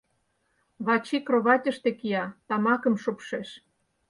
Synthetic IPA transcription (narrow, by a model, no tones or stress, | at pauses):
βɑt͡ɕikroβɑtʲə̆ʃt̪ĕkijɑt̪ɑmɑkɤ̆mʃopʃeʃ